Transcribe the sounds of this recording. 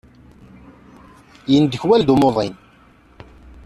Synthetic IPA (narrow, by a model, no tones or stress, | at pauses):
jənd̪əçwæld̪umoðˤin